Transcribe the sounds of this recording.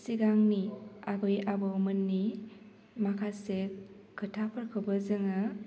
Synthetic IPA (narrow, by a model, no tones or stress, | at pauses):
siɡaŋniabɯjabɯmɯnːi | makʰase | kʰɯtʰapʰɯɾkʰɯbɯzɯŋɯ